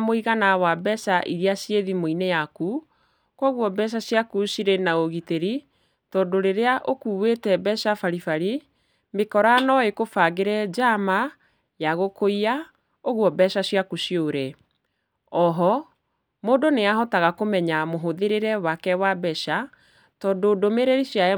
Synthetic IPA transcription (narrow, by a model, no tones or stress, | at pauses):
moiɣanawabɛʃaʔiɾiasjeðimoinejaku | kwɔɣwɔbɛʃ̬aɕjakusiɾenaoɣiteɾi | tɔdoɾeɾeaʔokuːwetɛbɛʃafaɾifaɾi | mekɔɾanɔekofaɣeɾɛd͡ʒama | jaɣokoia | oɣuɔbɛʃaɕiakusioɾɛ | ɔɦɔ | moːdoneaɦɔtaɣakomɛɲamoɦoðeɾeɾɛwakɛwabɛʃa | tɔːndodomeɾeɾisja